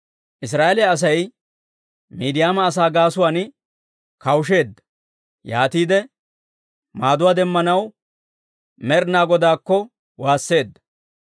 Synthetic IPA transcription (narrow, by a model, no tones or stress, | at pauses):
ʔɪs̬ɾaːelɪjɐːs̬ɐj | miːd̪ɪjaːmɐːs̬aːɡaːsʊwaːn | kɐwʃ̬e̞ːd̪ːɐ̥ | ja̰ːt̪iːd̪ɛ | maːd̪ʊwaːd̪ɛmːɐnɐw | mɛɾnaːɡɔd̪aːkːɔ | waːsːe̞ːd̪ːɐ̥